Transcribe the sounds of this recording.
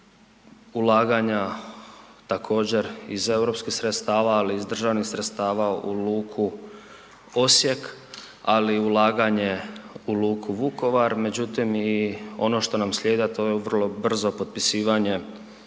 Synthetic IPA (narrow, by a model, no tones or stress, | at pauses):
ulaːɡaɲa | t̪akʰo̞ːd͡ʑe̞ɾize̞wɾo̞pskixsɾet̪st̪aːʋaːliːzd̪r̩ʒaʋnixsɾet̪st̪aːʋaṵluːkʰu | o̞sje̞k | aliulˠaːɡaɲe̞uluːkʰuʋuko̞ʋaɾme̞d͡ʑut̪imio̞no̞ʃt̪o̞namsʎʲeːd̪at̪o̞jeʋərlˠo̞br̩zo̞po̞t̪̚pisiːʋaɲe̞